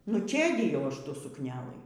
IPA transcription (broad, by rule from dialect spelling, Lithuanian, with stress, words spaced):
nʊ ˈt͡ʃʲeːdʲɪjɛʊ ˈɐʃ ˈtuː sʊkˈnʲæːlˠɨ